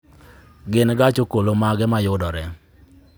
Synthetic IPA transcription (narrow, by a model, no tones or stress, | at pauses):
ɡɪnɡat͡ʃokolomaɡɛmajʊdɔɾɛ